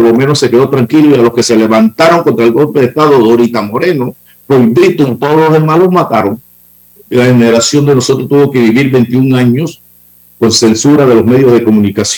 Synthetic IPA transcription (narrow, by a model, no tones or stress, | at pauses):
lomeno̞sːe̞ke̞ðo̞t̪ɾaŋkiloialoske̞se̞le̞βant̪aɾo̞ŋko̞nt̪ɾaelɡo̞lpeðest̪aðo̞ðoɾit̪amo̞ɾe̞no | poiβɾit̪unt̪o̞ðozlozðe̞malo̞mat̪aɾoŋ | laheneɾasjo̞nd̪e̞no̞so̞t̪ɾost̪uβo̞ke̞βiβiɾbe̞nt̪iuŋaɲo̞s | ko̞nse̞nsuɾaðe̞lo̞sme̞ðjozðe̞ko̞mũnikas